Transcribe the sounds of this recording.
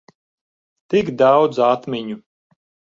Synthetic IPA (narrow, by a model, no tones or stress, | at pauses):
t̪iɡd̪awd̪zat̪mʲiɲu